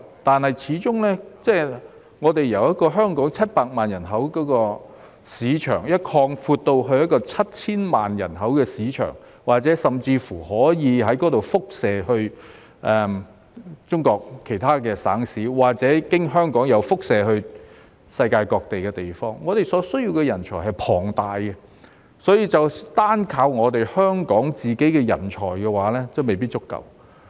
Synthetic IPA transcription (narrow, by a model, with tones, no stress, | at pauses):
t̪aː˨nhɐ˨jt͡sʰiː˨˥t͡sʊ˥ŋlɛː˥t͡sɛː˥ | ŋɔː˨˧t̪e˨˩jjɐ˨˩wjɐ˥t̚kɔː˧ɦœː˥ŋkɔː˨˥ŋt͡sʰɐ˥t̚paː˧k̚maː˨njɐ˨˩nɦɐ˨˥wkɔː˨˥kɔː˧ | siː˨˧˥t͡ʃʰœ̰ː˨˩ŋjɐ˥t̚kʰɔː˧ŋfuː˧t̚t̪o˧wɦɵ˧ɥjɐ˥t̚kɔː˧t͡sʰɐ˥t̚t͡sʰiː˥nmaː˨˩njɐ̰˨˩nɦɐ˨˥wkɛː˧siː˨˥t͡ʃʰœ̰ː˨˩ŋ | waː˨˩k̚t͡sɛː˨˥sɐ˨mt͡siː˧fuː˨˩hɔː˨˥jiː˨˧ɦɐ˨˥jkɔː˨˥t̪o˨wfʊ˥k̚sɛː˨˧hɵ˧ɥ | ʔɛ˨˧m | t͡sʊ˥ŋkɔː˧k̚kʰːe˨˩jt̪ʰaː˥kɛː˧sa̰ː˨˥ŋsiː˨˥waː˨k̚t͡sɛː˨˥kɪ˥ŋɦœː˥ŋkɔː˨˥ŋjɐ˨˧wfʊ˥k̚sɛː˨˧hɵ˧ɥ | sɐ˧jkaː˧jkɔː˧k̚t̪e˨jkɛː˧t̪e˨˩jfɔː˥ŋːɔː˨˧t̪e˨jsɔː˨˥sɵ˥ɥjiː˧wkɛ˧jɐ˨˩nt͡ʃʰɔː˨˩ɦɐ˨jpʰɔː˨˩ŋt̪aː˨jkɛ˧ | sɔː˨˥jiː˨˧t͡sɐ˨wt̪aː˥nkʰaː˧wŋɔː˨˧t̪e˨jhœː˥ŋkɔː˨˥ŋt͡siː˨ke˨˥jkɛː˧jɐ˨˩nt͡ʃʰɔː˨˩jkɛː˧waː˨˥lɛː˥t͡sɐ˨wme˨jpiː˥t̚t͡ʃʊ˥kːɐ̰˨w